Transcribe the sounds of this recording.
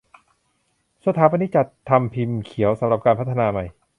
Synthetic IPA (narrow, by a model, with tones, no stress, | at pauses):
sa˧˥t̪ʰaː˨˦˥pa˧nːi˦˥t͡ɕa˨˩t̪ʰːa˧mpʰi˧mkʰi˨˩˦əwsa˩˦mɾa˨˩p̚kaː˧npʰa˦˥t̪ʰːa˧naː˧ma˧˩j